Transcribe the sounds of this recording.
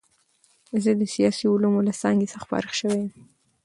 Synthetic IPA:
zəd̪əsijɑsiʊlumolasɑŋɡesxpɑ̰ɾɪxʃəwejəm

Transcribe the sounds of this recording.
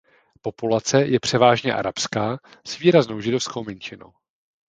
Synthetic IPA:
po̞pulat͡sɛjɛpr̝̥ɛvaːʒɲɛʔa̰ɾapskaː | sviːɾaznowʒɪdo̞fsko̞wmɛnt͡ʃɪno̰w

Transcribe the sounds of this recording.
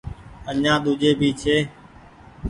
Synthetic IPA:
əɲãːɗ̪ʊʄeːbʱiːt͡ʃʰeː

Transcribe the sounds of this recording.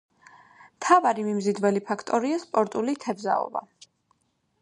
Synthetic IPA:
mt̪ʰavaɾimimzid̪vɛlipʰakʰt̪ʼɔɾiaspʼɔɾt̪ʼulit̪ʰɛbza̰ɔ̰ba̰

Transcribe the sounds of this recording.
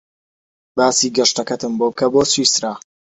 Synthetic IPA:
baːsiːɡɐʃt̪ɐkɐt̪ɨmboːb̚kʰɐboːswisɾaː

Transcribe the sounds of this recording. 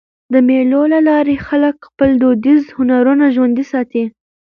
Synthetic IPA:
d̪əmelolalɑɾexaləkxpəld̪od̪izhʊnaɾunaʒwand̪isɑt̪i

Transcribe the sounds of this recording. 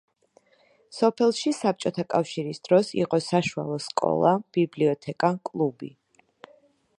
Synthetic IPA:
sɔpʰɛlˠʃisap̚t͡ʃʼɔt̪ʰakʼafʃiɾisd̪̥ɾɔsḭqʼɔsaʃua̰lˠɔskʼɔ̰lˠab̥ibliɔt̪ʰɛkʼakʼlˠubi

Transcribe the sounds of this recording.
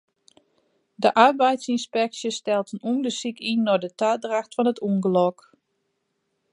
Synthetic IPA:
dəʔarbɛjtsinspɛk̚sjəstɛlˠtənuəndəsikʰinːɔdətadraxtfɔnətʰuŋɡəlɔk

